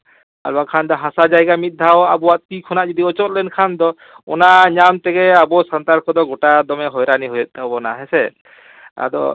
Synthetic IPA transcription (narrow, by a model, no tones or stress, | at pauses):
a̰lbakʰand̪ɔɦasad͡ʒajɡamit̪̚ˀd̪ʱawa̰bɔwaʔt̪ikʰɔnaʔd͡ʒɔd̪iɔt͡ʃɔt̪̚lɛnkʰand̪ɔ | ɔ̰naɲamt̪ɛɡɛabɔsant̪aɾkʰɔd̪ɔɡɔʈad̪ɔmɛɦɔjɾaniɦɔjɔt̪̚ˀd̪awbɔnaɦɛsɛ | a̰d̪ɔ̰